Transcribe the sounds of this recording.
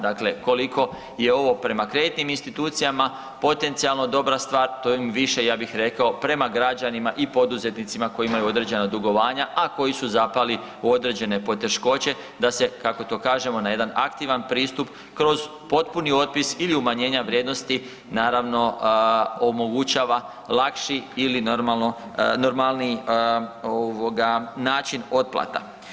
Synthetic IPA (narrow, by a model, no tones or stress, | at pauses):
d̪akle̞ko̞likʰo̞ | je̞o̞ʋo̞pɾe̞makɾe̞d̪it̪niminst̪it̪uːt̪sijama | po̞t̪e̞nt̪sialˠno̞d̪o̞bɾast̪ʋaːɾt̪ojimiʋiʃe̞jaːbixɾe̞kaopɾe̞maɡɾad͡ʑanimaʔipo̞d̪uze̞t̪nit̪simako̞jimajuo̞d̪ɾe̞d͡ʑe̞nad̪uɡo̞ʋaːɲaʔako̞jisuzapali | uo̞d̪ɾe̞d͡ʑe̞ne̞po̞t̪e̞ʃko̞t͡ɕe̞ | d̪ase̞kako̞t̪o̞ːkaːʒe̞mo̞naje̞d̪anakt̪iʋanpɾiːst̪up | kɾo̞z | po̞t̪punio̞t̪̚pisiliumaɲe̞ːɲaʋɾje̞ːd̪no̞st̪i | naːɾaʋno̞ | omo̞ɡut͡ʃaːʋa | lakʃiːlinoɾmalnono̞ɾmalni | oʋo̞ɡanaːt͡ʃino̞t̪̚plˠa̰t̪a̰